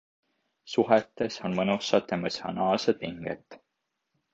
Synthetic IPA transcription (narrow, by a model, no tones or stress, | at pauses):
suɦet̪ːˑe̞so̞nmɤnusɑt̪ːemɑsɑnɑːlsed̪̥̚piŋɡ̥ḛt̪ːˑ